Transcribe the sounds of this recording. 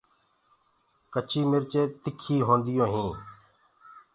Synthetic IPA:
kət͡ʃʰiːmɪɾt͡ʃeːt̪ɪkʰiːɦõːnd̪ɪjõːɦĩː

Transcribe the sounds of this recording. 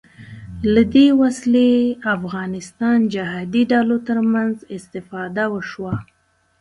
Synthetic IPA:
lad̪ewasleafɣɑnɪst̪ɑnd͡ʒaɦɑd̪iɖalot̪əɾmanzɪst̪ɪfɑd̪awəʃwa

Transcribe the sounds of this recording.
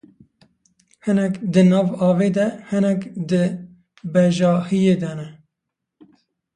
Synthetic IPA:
hɨnɛkd̪ɨnɑːvɑːveːd̪ɛhɨnɛkd̪ɨ | bɛʒɑːhijeːd̪ɛnɛ

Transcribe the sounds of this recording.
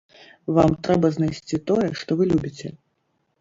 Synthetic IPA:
vamt̪ɾɛbɐznajsʲt͡sʲit̪ɔjɛʂt̪ɔvɨlʲubʲit͡sʲɛ̰

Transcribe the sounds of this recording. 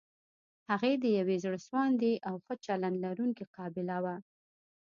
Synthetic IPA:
haɣed̪əjawezɽəswɑnd̪eʔawxət͡ʃaland̪laɾuŋkiqɑbɪlawa

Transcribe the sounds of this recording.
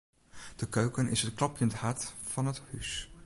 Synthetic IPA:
d̥əkøɥkənʔɪsɦətklɑpjənthɑtfɑnəthys

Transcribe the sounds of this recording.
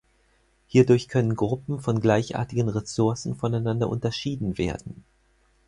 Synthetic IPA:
hiːɐdʊɐçkʰœnənɡʁʊpm̩fɔnɡlaɪçʔa̰ːɐtɪɡənʁesʊɐsn̩fɔnaɪnandɐ̰ʔʊntɐʃiːdn̩vḛːɐdn̩

